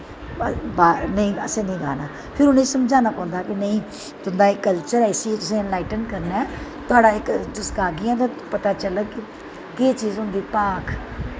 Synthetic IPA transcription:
baːnəĩːəsẽːnĩːɡa̰ːnaː | pʰɪɾʊnẽːsəmd͡ʒãːnaːpãːnd̪aːkɪnəĩː | t̪ʊnd̪aːɪkːəlt͡ʃəɾɛːɪsit̪ʊsãːɪnlaːɪʈənkəɾnɛ̃ː | t̪ʊaːɖaːɪkd̪ʊskaːɡɪãt̪ãːpət̪aːt͡ʃələkɪ | keːt͡ʃiːzɦʊ̃nd̪iːpaːkʰ

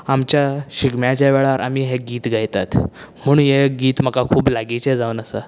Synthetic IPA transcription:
amt͡ɕjaɕiɡmjat͡ɕjaʋeɭaɾʔa̰miːɦeɡiːt̪ɡʱajt̪at̪m̤əɳ̃jeɡiːt̪m̤əkakʰuːblaɡit͡sed͡zaunəsə

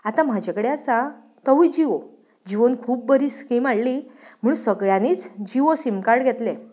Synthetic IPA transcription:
at̪ãm̤ad͡ʑekəɽeasa | t̪əʋud͡ʑiʋo | d͡ʑiʋənkʰuːp̚bəɾiːskimaɭlim̤uɽusəɡɭjãnit͡sd͡ʑiʋosimkaɽɡʱet̪le

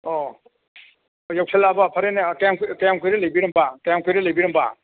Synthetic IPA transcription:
ɔ | jaw̚sʰelabapʰaɾenekajamkkajamkʰɯjɾelajbiɾɐmbakajamkʰɯjɾelajbiɾɐmba̰

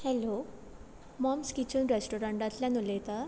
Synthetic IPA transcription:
hɛlo | mɔmskit͡ɕunɾesʈoɾaɳʈãt̪ljanulet̪a

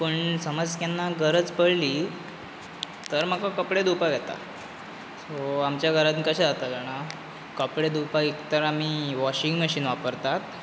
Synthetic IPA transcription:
pəɳsəməd͡zkjanːaɡʱəɾət͡spəɽ̤liː | t̪əɾm̤əkakəpɽed̪upaɡɛt̪a̰ | soamt͡ɕjaɡʱəɾat̪nikəɕɛ̃d͡zat̪ad͡zaña | kəpɽed̪upaikt̪əɾam̤iːʋɔɕiŋɡmɛɕiːnʋapəɾt̪at̪

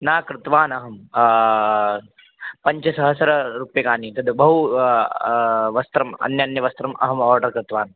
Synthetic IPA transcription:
naːkɾɪt̪ʋaːnɐɦɐm | pɐɲt͡ʃɐsɐɦɐsɐɾɐɾupjɐkaːnit̪ɐd̪bɐɦu | ʋɐst̪ɾɐmɐ̰njɐɐnjɐʋɐst̪ɾɐmɐ̰ɦɐmɔːɾɖɐɾkɾɪt̪ʋaːn

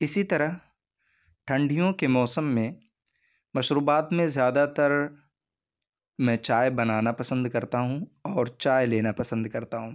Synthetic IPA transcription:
ɪsit̪ɐɾəɦ | ʈʰɐ̃ɳɖʱijõkemɔːsəmːẽ | mɐʃɾuːbaːt̪mẽzjaːd̪at̪ɐɾ | mɛ̃ːt͡ʃaːjbɐnaːnapɐsə̃nd̪kɐɾt̪aɦũɔːɾt͡ʃaːeleːnapɐsə̃nd̪kɐɾt̪aɦũː

